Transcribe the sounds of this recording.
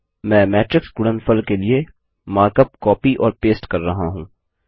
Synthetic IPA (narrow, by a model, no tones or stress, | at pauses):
mɛ̃ːmɛːʈɾɪksɡʊɽənfəlkelie | maːɾkəp̚kɔːpiʔɔːɾpeːsʈkɐɾːɐɦaɦũː